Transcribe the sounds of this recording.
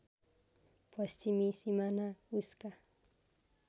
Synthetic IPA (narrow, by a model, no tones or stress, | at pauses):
pwassɪmisɪmanaʊska